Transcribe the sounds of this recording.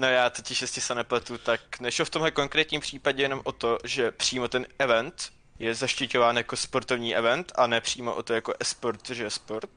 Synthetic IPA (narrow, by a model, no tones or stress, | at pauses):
nojaːt̪ocɪʃjɛscɪsɛnɛplɛt̪ut̪aknɛʃloft̪o̞mɦlɛkoŋkɾɛːt̪ɲiːmpr̝̥iːpaɟɛjɛno̞mʔot̪o̞ʒɛpr̝̥iːmo̞t̪ɛnɛvɛnt̪ | jɛzaʃcɪcovaːnjakospo̞ɾt̪o̞vɲiːʔɛvɛnt̪anɛpr̥iːmo̰ʔot̪o̞jakoʔɛspoɾt̪oʒɛjɛspoɾt̪̚